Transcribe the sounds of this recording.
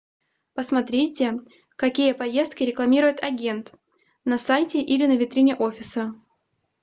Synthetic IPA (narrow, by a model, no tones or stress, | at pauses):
pəsmɐt̪ɾʲetʲɪ | kɐkʲijəpɐje̞st̪̚kʲɪɾʲɪklˠɐmʲiɾʊjɪt̪ɐɡʲe̞nt̪ | nɐsajtʲɪʔilʲɪnəvʲɪt̪ɾʲinʲɪʔo̞fʲɪsə